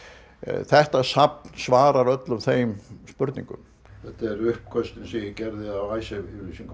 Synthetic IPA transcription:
θɛht̪asapnsvaːɾaɾœt̪lʏmθejmspʏɾt̪nḭ̃ŋkʏ̰m | θɛht̪aɛɾʏhp̚kʰœst̪ɪnsijɪcɛɾðɪawajsɛvyɾlisiŋk

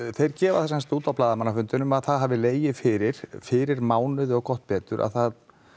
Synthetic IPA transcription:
θejɾcɛːva̰ðθɛsɛnst̪uːt̪awplaːðamanːafʏnt̪ʏnʏmaðθaðɦaːvðɪleːjɪfɪːɾɪɾ̥fɪːɾɪɾmaːwnɪðɔɣkɔht̪pɛːt̪ʏɾʔa̰ðθað

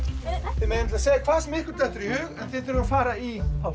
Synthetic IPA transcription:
θɪmejnɪmt̪lːaseːjakʰv̥aːsɛmɪhkʏɾt̪ɛht̪ːʏɾihʏːɣɛnθɪðt̪ʰʏɾafaːɾaia

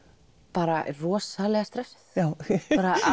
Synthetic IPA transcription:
paːɾa̰ʔrɔːsalɛɣast̪ɾɛft̪jaːwpaɾaa

